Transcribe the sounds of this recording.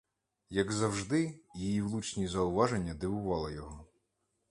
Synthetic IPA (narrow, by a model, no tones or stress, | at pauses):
jɐɡzɐwʒd̪ɪjijiwlˠut͡ʃnʲizɐʊʋɑʒenʲːɐd̪ɪʋʊʋɑlˠɪjɔɦɔ